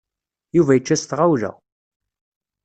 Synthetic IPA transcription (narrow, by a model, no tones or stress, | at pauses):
juvæjət͡ʃːæst̪ʁawlæ̰